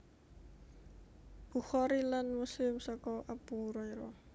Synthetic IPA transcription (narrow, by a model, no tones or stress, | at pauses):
b̥uxɔɾilanmusɪmsɔkɔʔapuɾɔiɾɔ